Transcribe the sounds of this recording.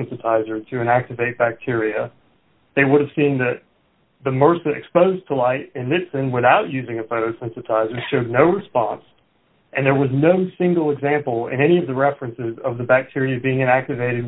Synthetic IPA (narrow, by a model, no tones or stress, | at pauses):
ntɨtʰaɪzə˞ɾɨɨ̃ñæk̚tɨveɪt̚b̥æk̚tʰɪɹiɨ | ðeɪwʊɾɨv̥sĩnðɨt̪̚ | ðɨmɜ˞sɨʔɨ̰kspoʊztʰəlaɪɾɨ̃nlɪpsɨ̃nwɪθaʊʔjʉzɪ̃ŋɨfoʊɾoʊsɛ̃ntɨtʰaɪzə˞ʃoʊdⁿnoʊɹɨspɑ̰̃ns | ʔɨ̃nðə˞wʌznoʊsɪ̃ŋɡl̩ˠəɡzæ̃mpl̩ˠɪ̰̃nɛñiʌvðɨɹɛfɹɨ̃nsɪzʌvðɨbæk̚tʰɪɹiɨbiɪ̃ŋɨ̃ñæk̚tɨveɪɾɨd̚